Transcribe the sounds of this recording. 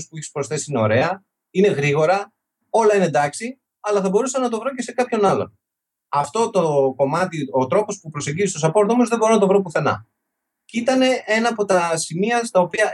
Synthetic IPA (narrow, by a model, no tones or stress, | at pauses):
spueçi̥spɾosθe̞siine̞o̞ɾe̞ɐ | ine̞ɣɾiɣo̞ɾɐ | o̞lɐinend̪ɐksi | ɐlɐθɐbo̞ɾusɐnɐt̪o̞vɾo̞ce̞se̞kɐpço̞nɐlo̞̰n | ɐft̪o̞t̪oko̞mɐt̪io̞t̪ɾo̞po̞spupɾo̞se̞ɲɟizistosɐpo̞ɾt̪omozðebo̞ɾonɐt̪o̞vɾop̬uθe̞nɐ̰ | cit̪ɐne̞e̞nɐːpo̞t̪ɐsimiɐst̪ɐopiɐ